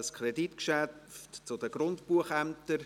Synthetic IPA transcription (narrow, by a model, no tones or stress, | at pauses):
əskʰɾɛditkʃæftt͡sʊdəɡɾʊntpuəχæmt̪əɾ